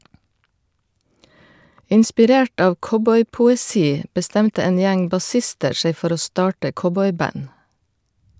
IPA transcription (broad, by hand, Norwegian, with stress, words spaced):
ɪnspɪˈɾeːʈ ˈɑːʋ ˈkɔbɔʏpʊɛˌsiː bəˈstɛmtə ˈeːn ˈjæŋ bɑˈsɪstəɾ ˈʃeɪ ˈfɔɾ ˈoː ˈstɑːʈə ˈkɔbɔʏˌbɑn